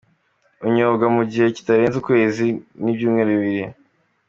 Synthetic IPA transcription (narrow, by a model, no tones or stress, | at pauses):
uɲoːɡamuɟihe̞ci̥taɾeːnzukwe̞ːzinibjuːmŋeːɾuβiβiɾi